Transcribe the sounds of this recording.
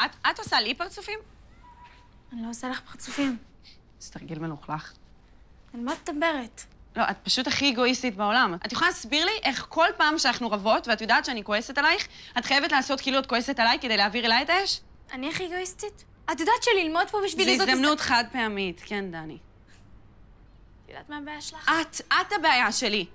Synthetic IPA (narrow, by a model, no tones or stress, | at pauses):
atatosalipaʁt͡sufim | anlosalaχpaʁt͡sufim | z̥t̪aʁɡilmenuχlaχ | almat̪t̪ambeʁet̪lo̞ʔatpaʃutaχieɡo̞istitbeo̞lamʔatjoχalaasbiʁliʔe̞χkʰo̞lpaːmʃeanaχnuʁavo̞tveatjodaːtʃeaniko̞e̞se̞talajiχatχajevetlaːso̞t̚kiːluat̚ko̞esetalajked̪ejleaːviʁelajetaeʃ | aniaχieɡoist̪it | atjodaːtʃelilmod̪pobiʃviizozd̪amnutχad̚peamitkendani | tjo̰d̪a̰ːtmaːbeajaʃelaat̪athabeajaʃe̞li